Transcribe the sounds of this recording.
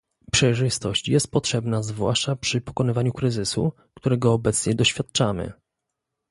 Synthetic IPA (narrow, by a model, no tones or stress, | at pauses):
pʂɛjʐɘst̪ɔɕt͡ɕjɛst̪̚pɔtʂɛbnazvwa̰ʂt͡ʂapʂɘpɔ̥kɔnɘvaɲukɾɘzɘsṵ | kt̪uɾɛɡɔːbɛt̪sɲɛd̪ɔɕfʲjat̪t͡ʂamɘ̰